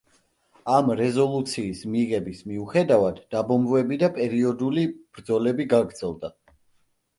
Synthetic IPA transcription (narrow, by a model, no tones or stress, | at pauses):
amɾɛzɔlˠut̪sʰiːsmiʁɛbismiuχɛd̪avad̪ːabɔmvɛbid̪apʼɛɾiɔd̪ulib̥ɾd̪zɔlɛbiɡaɡɾd̪z̥ɛlˠd̪a